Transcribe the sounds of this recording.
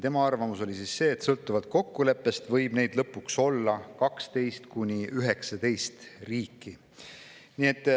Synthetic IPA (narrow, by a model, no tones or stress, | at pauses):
t̪e̞mɑɑrvɑmuso̞lisisse̞ːt̪sɤlt̪ːˑuvɑd̪̥̚ko̞kːule̞pːˑe̞st̪vɤjb̥ne̞jd̪̥lɤpːˑukso̞lːɑkɑkst̪e̞jst̪kunʲiyɦe̞ksɑt̪e̞jst̪riːkːˑi | nie̞t̪ːˑ